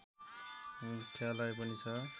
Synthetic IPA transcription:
mut̪ʰːjalajpʌnit͡sʰʌ

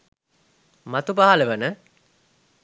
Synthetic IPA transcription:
mat̪ubaɦaləʋənə

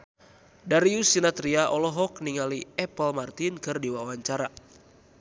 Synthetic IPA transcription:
daɾiusinat̪ɾiaʔɔlɔɦɔk̚niŋaliɛpəlmart̪inkɨrdiwawaɲt͡ʃaɾa

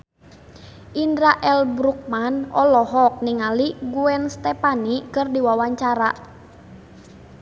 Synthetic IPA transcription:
ʔindɾaʔɛlbɾuk̚manɔlɔɦɔk̚niŋaliɡuɛnst̪ɛpanikɨrdiwawaɲt͡ʃaɾa

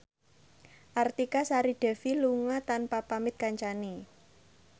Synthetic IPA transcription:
ʔart̪ikasaɾiɖ̥ɛ̤filuŋat̪anpapamɪt̪̚kaɲt͡ʃani

